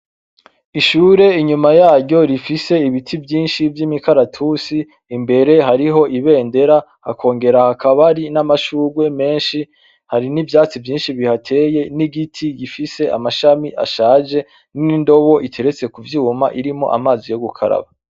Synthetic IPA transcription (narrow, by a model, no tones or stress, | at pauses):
iʃuɾe̞iɲumajaːɾɟɟo̞ɾifise̞iβitʰivjiːnʃivjimikʰaɾatʰusiː | mbe̞ɾe̞ɦaɾiɦo̞ʔiβe̞ːnde̞ɾaha̰kʰo̞ːŋɡe̞ɾahakaβaɾinamaʃuːɡwe̞me̞ːnʃi | haɾinivjaːt͡sivjiːnʃiβihatʰe̞ːje̞niɡitʰiɡifise̞a̰maʃamiʔa̰ʃaːʒe̞ | nnindo̞βo̞ʔitʰe̞ɾet͡se̞kuvjuːmaʔiɾimo̞̰ʔa̰maːzijo̞ɡukʰa̰ɾa̰βa